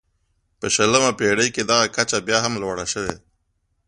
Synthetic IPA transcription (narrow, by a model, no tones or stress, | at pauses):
pəʃələmapeɽəjked̪aɣakat͡ʃabjɑːɦamlwaɽaʃəwḛ